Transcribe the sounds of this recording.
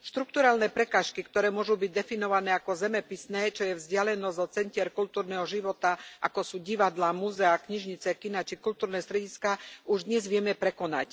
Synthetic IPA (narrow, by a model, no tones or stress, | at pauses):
ʃt̪ɾuk̚t̪uɾaːlnɛːpɾɛkaːʃkikt̪ɔɾɛːmʊɔʒubiɟ̚d̪ɛfinɔʋanɛːakɔzɛmɛpisnɛːt͡ʃɔjɛvzɟɪalɛnɔzɔt͡sɛncɪɛɾkult̪uːɾnɛːɦɔʒiʋɔt̪aʔa̰kɔsuːɟiʋad̪lamuzɛakɲiʒɲit͡sɛkinat͡ʃikult̪uːɾnɛːst̪ɾɛɟiskaːuʒd̪ɲɛzʋɪɛmɛpɾɛkɔna̰c